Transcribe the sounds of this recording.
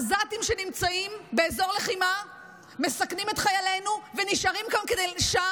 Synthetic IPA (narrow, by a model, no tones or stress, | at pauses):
zat̪imʃenimt͡saimbeːzo̞ʁleχima | mesaknimet̪χajalenuveniʃaʁimkamked̪ejʃa